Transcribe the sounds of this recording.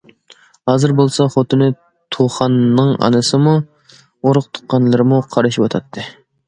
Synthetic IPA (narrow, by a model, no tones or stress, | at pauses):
hɑːzɨɾbolˠsɑχot̪ʰɨnɨ | t̪ʰoχɑnːɨŋɑ̰nɨsɨmu | oɾʊqt̪ʰʊ̥qːɑnlˠɨɾɨmuqʰɑɾɨʃiwɑt̪ʰɑt̪ʰːɨ